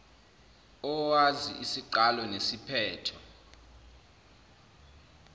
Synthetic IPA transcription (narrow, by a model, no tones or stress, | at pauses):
ɔwazḭʔisiǃalɔnesipʰɛːtʰɔ